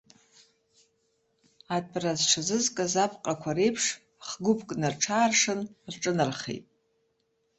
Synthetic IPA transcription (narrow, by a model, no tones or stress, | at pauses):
at̚ʼrazʂʰazɨzkʼazapʰqʼakʷʰaɾe̞jpʰʂ | χɡʷʊpʰʼkʼnarʈ͡ʂʰaːrʂɨnrʈ͡ʂʼɨnɨrχḛjtʼ